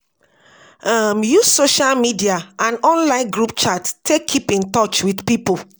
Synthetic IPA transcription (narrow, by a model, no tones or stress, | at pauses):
amjusoʃalmidiaʔãnɔ̃nlãɪ̃nɡɹupt͡ʃattʰekʰːipĩntɔt͡ʃwidpipo